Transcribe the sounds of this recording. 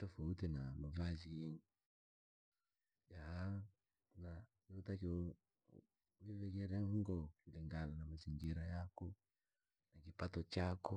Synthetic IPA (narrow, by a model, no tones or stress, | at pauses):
tɔfautinamavaziŋi | jaha | nakiutaki | wivɛkɛɾɛŋɡɔkiliŋɡananamaziŋɡiɾajakɔ | nakipatɔt͡ʃakɔ